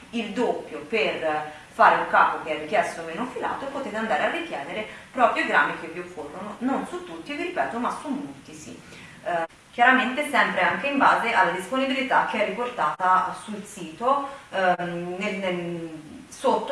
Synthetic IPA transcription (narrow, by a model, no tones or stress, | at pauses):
ild̪opːjoper | faːɾeuŋkaːpok̟eɛrːikjɛst̪omeːnofila̰ːt̪opot̪eːt̪eand̪aːɾearːik̪jɛːneɾepɾɔːpɾjoiɡɾamːik̟evːiokʰːorːonononsut̪ːut̪ːiviɾipɛːt̪omasumːolt̪isḭ | k̟ːjaɾament̪esɛmpɾeaŋk̟eiɱbaːzeʔalːad̪isponibilit̪ak̟ːeɛrːiport̪aːt̪asulsiːt̪o | nelne | sot̪ː